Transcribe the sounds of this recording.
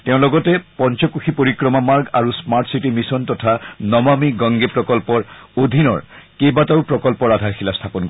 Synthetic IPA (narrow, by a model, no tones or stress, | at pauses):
tɛʊ̃lɔɡɔtɛpɔnt͡ʃɔkuxʰipoɹikɹɔmamaɹɡaɹusmaɹtʰsitimisɔntɔtʰanɔmamiɡɔ̃ŋɡepɹɔkɔlpɔɹod̪ʱinɔ̰ɹkebataʊpɹɔkɔlpɔɹadʱaɹxʰilastʰapɔnkɔ